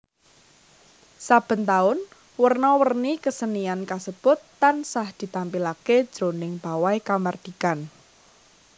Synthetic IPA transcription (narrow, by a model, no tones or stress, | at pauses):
sab̥ə̤nt̪aʊn | wərnɔwərnikəsəniankasəb̥ʊ̤t̪ːansahd̪̥i̤t̪ampilaked̥ʒ̥o̤nɪŋb̥a̤wajkamard̪̥i̤kan